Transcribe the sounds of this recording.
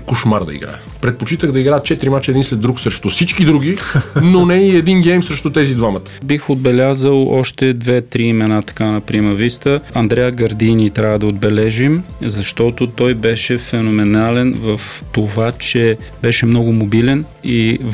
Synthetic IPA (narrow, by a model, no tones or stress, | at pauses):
koʃmaɾd̪ɐ̰ḭɡɾa̰jə | pɾɛt̪̚pot͡ʃit̪əɣd̪ɐiɡɾajət̪t͡ʃɛt̪ɾimat͡ʃɛd̪inslɛd̪ɾuksɾɛʃt̪ʊsit͡ʃkid̪ɾuɡʲinonɛiɛd̪inɡɛjmsɾɛʃt̪ʊt̪ɛzid̪vamət̪ə̥bixod̪̚bɛlʲazəlˠɔʃt̪ɛd̪vɛt̪ɾiːmɛnat̪ɐ̥kanɐpɾimɛɾvist̪əɐnd̪ɾɛjəɡɐɾd̪inʲit̪ɾʲavəd̪ɐod̪bɛlɛʒimzɐʃt̪ɔt̪ot̪ɔjbɛʃɛfɛnomɛnalɛnvəft̪ovat͡ʃɛ | bɛʃɛmnɔɡʊmobilɛn | i